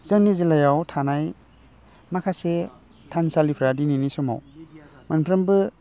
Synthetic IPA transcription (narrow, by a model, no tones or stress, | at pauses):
z̥ɯŋnizilajawtʰanaj | makʰase | tʰansalipʰɾadininisɔma̰w | manpʰɾɯmbɯ